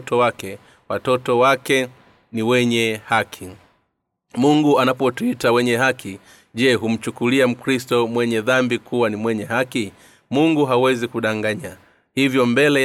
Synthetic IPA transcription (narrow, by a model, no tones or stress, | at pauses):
tɔwakɛ | watɔtɔwakɛ | niwɛɲɛhakʰi | muŋɡuanapɔtuitawɛɲɛɦakʰi | ʄɛɦum̩t͡ʃukuliam̩kɾistɔmwɛɲɛðambikʰuwanimwɛɲɛɦaki | muŋɡuɦawɛzikuɗaŋɡaɲa | hivjɔmbɛlɛ